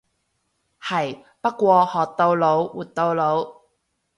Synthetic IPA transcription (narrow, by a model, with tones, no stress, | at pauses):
hɐ˨˩j | pɐ˥kːʷɔː˧hɔː˨t̪ːo˧wlo˨˥wwuː˨˩t̪̚t̪ːo˧wlo˨˧˥w